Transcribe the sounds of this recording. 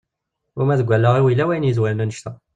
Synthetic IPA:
ʊmæðɡʷːælːəʁiwilːæwæjnjizwælnænəʃt̪æ

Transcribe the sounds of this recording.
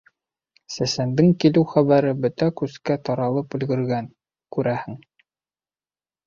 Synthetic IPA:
sæsænd̪ɘŋkilɘwχæβæɾɘbɵt̪ækʉskæt̪ɒɾɑlˠɤpɵ̆lɡɵ̆ɾɡæn | kʉɾæhɘŋ

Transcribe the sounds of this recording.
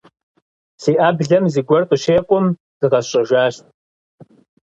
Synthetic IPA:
siːʔaːbɮɐmziːɡʷɔrqʼʊʃeːkʷʼʊm | z̥ɨʁɐɕʼɐʒʷaːʃtʼ

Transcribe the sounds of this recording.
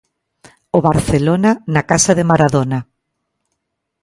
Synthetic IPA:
oβaɾθelonanakasaðemaɾaðona

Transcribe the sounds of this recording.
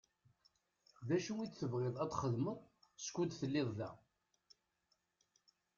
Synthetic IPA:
ðæʃuit͡sːθəvʁɪðˤæt̪χəðməðˤskʷːud̪θəlːɪðˤðæ̰

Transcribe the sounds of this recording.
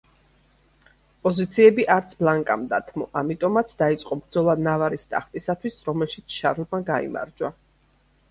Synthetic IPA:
pʼɔzit̪sʰiɛbiʔaɾt̪sʰblˠaŋkʼa̰md̪at̪ʰmɔʔamit̪ʼɔmat̪sʰd̪ait̪sʼqʼɔbɾd̪zɔlˠanavaɾist̪ʼa̰χt̪ʼisat̪ʰwisɾɔmɛlʃit̪sʰʃaɾlˠmaɡaḭma̰ɾd͡ʒwa

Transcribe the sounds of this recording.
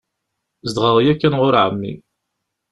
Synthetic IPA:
zd̪ʁəʁjækːænʁʊɾʕəmːḭ

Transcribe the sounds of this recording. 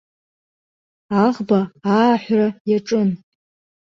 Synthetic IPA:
aʁbaːħʷrajaʈ͡ʂʼɨn

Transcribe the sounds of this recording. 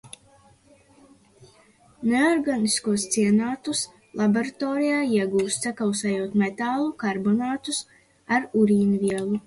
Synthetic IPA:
neɔɾɡaniskuɔst̪siɛnaːt̪us | lˠʔaboɾat̪ɔːɾijaːiɛɡuːst̪sɛkawsɛjuɔt̪met̪aːlˠukaɾbɔnaːt̪us | aɾuɾiːnviɛlˠu

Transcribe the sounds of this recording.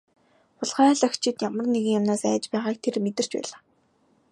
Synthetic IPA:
pʊɮχæːɮœ̆xt͡ɕʰɪ̆t̪jamə̆rneɣɘ̆ŋjamnaːsæːt͡ɕpæːʁaːk̚t̪ʰermet̪ɘ̆r̥t͡ɕpæ̰ːɮaː

